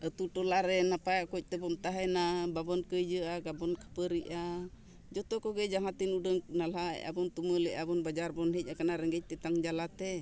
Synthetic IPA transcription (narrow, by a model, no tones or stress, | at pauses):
ʔət̪uʈɔlaɾɛnapaakɔc̚t̪ɛbɔmt̪aɦɛnababɔnkəjd͡ʒəaɡabɔnkḁpəɾiʔa | d͡ʒɔt̪ɔkɔɡɛd͡ʒaŋat̪inudəŋnala̰ʔa̰bɔnt̪uməlɛʔabɔnbad͡ʒarbɔnɦɛc̚akanaɾɛɡɛc̚t̪ɛt̪aŋd͡ʒalat̪ɛ